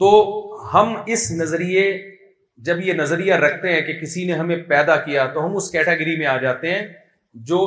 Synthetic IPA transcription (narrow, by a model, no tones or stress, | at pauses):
t̪oːhɐmɪsnɐzɾije | d͡ʒɐbjenɐzɾijaɾɐkʰt̪eɦɛ̃ːkekɪsineɦɐmẽpɛːd̪akijat̪oɦɐmʊskɛːʈɛːɡəɾimẽaːd͡ʒaːt̪eɦɛ̃ː | d͡ʒoː